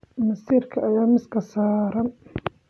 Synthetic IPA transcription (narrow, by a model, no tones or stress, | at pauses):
mɐsiːrkʰɐʔɐjaːmɪskʰɐsaːɾɐn